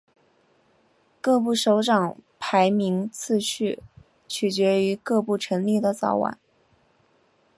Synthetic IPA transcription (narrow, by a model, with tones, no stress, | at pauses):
kɤ˥˧p̬u˥˩ʂo˧˥ʊʈ͡ʂɑ˨˩ŋpʰa˧˥ɪmi˧˥ŋt͡sʰɹ̩˥˧ɕʰy˥˩ | t͡ɕʰy˨˩t͡ɕɥɛ˧˥y˧˥kɤ˥˧pu˥˩ʈ͡ʂʰɤ˧˥ŋli˥˩d̪ə˩t͡sɑ̰˨˩ʊwa̰˨˩˦n